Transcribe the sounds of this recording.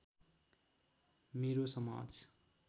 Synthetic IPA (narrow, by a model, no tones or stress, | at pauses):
meɾosʌma̰d͡z